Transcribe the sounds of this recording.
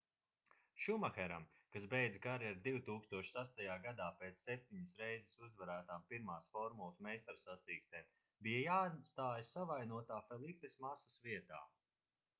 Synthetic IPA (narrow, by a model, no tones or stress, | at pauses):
ʃumaxɛɾam | kasbejd̪zɡaɾiaɾd̪iwt̪uːkst̪uɔʃsast̪ajaːɡad̪aːpeːt̪sːɛp̚t̪iɲisɾɛjzesuzvaɾæːt̪aːmpiɾmaːsfɔɾmulˠsmɛjst̪aɾsat̪siːkst̪ɛːm | bijajaːt̪st̪aːjasːavajnuɔt̪aːfɛlˠipesmasasviɛt̪a̰ː